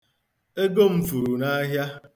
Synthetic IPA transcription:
e˦ɡo˦m̩˦fu˨ɾu˨na˦ɦja˦

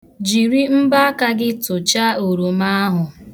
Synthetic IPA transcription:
d͡ʒi˨ɾi˦m̩˦ba˦a˦ka˦ɡɪ˦tʊ˨t͡ʃa˦o˨ɾo˨ma˦ɦʊ˨

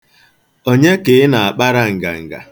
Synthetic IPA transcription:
o˦ɲe˦ke˨ɪ˦na˨a˨k͡pa˦ɾa˨ŋ̩˨ɡa̰˨ŋ̩˨ɡa̰˨

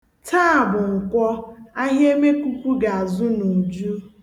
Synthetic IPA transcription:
tʰa˦a˨bʊ˨ŋ̩˨kʷɔ˦a˦ɦe˦me˦kʷu˦kʷu˦ɡa˨a˨zʊ˦nu˨d͡ʒu˦

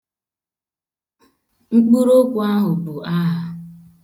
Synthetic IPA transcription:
ŋ̩˦k͡pu˦ɾo˦kʷu˨a˦ɦʊ˨bu˨a˦ɦa˨

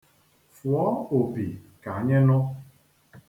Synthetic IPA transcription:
fwɔ˦o˨pi˨ka˨ɲe˦nʊ˦

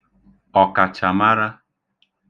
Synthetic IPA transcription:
ɔ˨ka˨t͡ʃa˨ma˦ɾa˦

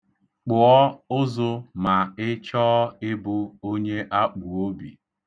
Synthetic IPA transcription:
k͡pʊ˨ɔ˦ʊ˦zʊ˦ma˨ɪ˦t͡ʃɔː˦ɪ˦bʊ˦o˦ɲe˦ʔa˦k͡pu˨o˦bḭ˨

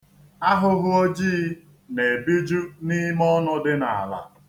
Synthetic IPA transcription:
a˦ɦʊ˦ɦʊ˦ɔ˦d͡ʒiː˦ | ne˨bi˦d͡ʒu˦ni˦m˦ɔ˦nʊ˦dɪ˦na˨a˨la̰˨

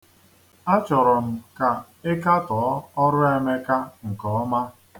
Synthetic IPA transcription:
a˦t͡ʃɔ˨ɾɔ˨m̩˨ka˨ | ɪ˦ka˦tɔː˨˦ɔ˦ɾʊ˦e˨me˦ka˦ŋ̩˨kɔ˨ɔ˦ma˦

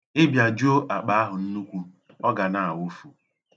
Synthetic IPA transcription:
ɪ˦bja˨d͡ʒu˦o˦ʔa˨k͡pa˦a˦ɦʊ˨n̩˦nu˦kʷu˦ | ɔ˦ɡa˨na˦˨a˨wu˦fu˨

